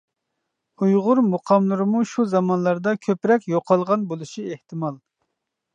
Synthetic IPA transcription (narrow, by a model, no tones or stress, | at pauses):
ujʁʊɾmoqʰɑmlˠɨɾɨmuʃuzɑmɑnlˠɑɾd̪ɑkʲʰøpɾɛkʲjoqʰɑlˠʁɑnbolˠuʃieht̪ʰɨmɑlˠ